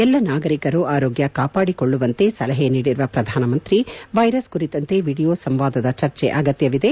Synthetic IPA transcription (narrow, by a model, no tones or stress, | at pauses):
ɛlːɐnaːɡɐɾikɐɾuʔaːɾoːɡjɐkaːpaːɽikoɭːuʋɐnt̪e̞sɐlɐɦeniːɽiɾʋɐpɾɐd̪ʱaːnɐmɐnt̪ɾiʋɐjɾɐskuɾit̪ɐnt̪e̞ʋiːɽijoːsɐmʋaːd̪ɐd̪ɐt͡ʃɐɾt͡ʃɛ̰ʔɐɡɐt̪jɐʋid̪e̞